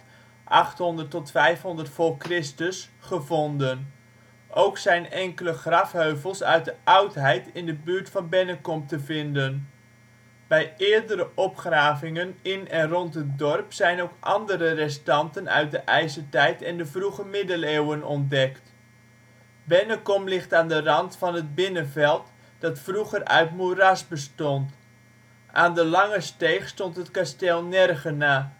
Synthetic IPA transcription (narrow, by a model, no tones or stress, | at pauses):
ʔɑχtɦɔndərtːɔtfɛjfɦɔndərtfʊkrɪstəsχəvɔndən | ʔowksɛjnɛŋkələχrɑfɦøɥvəlˠsœ̰ɥt̚dəʔɑwtɦɛjtɪndəbyːɹtfɑnbɛnəkɔm̚təvɪndən | b̥ɛjɪːɹdəɾəʔɔpχraːvɪŋənɪnɛnrɔntɦət̚dɔrpsɛjnowkʔɑ̰ndəɾərɛstɑntənœ̰ɥt̚dəʔɛjsətɛjtɛndəvruɣəmɪdəleːwənɔn̚dɛkt | bɛnəkɔmlɪχtaːndərɑntfɑnət̚bɪnənvɛlˠt | d̥ɑtfruɣərœ̰ɥtmurasbəstɔnt | ʔa̰ːndəlɑŋəsteːχstɔntɦətkastelˠnɛrɣənaː